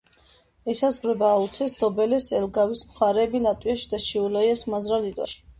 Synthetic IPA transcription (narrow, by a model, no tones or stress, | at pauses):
ɛsazʁɾɛbaːut̪sʰɛsd̪̥ɔbɛlɛsɛlɡawismχaɾɛːbilat̪ʼwiaʃid̪aʃiulajɛsmazɾalid̪wa̰ʃi̥